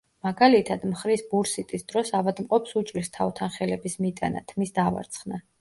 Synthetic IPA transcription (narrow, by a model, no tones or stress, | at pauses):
maɡalit̪ʰad̪mχɾisbuɾsit̪ʼisd̪ɾɔsavad̪mqʼɔpsut͡ʃʼɾist̪ʰavt̪ʰanχɛlɛbismit̪ʼana̰t̪ʰmisd̪ava̰ɾt̪sʰχna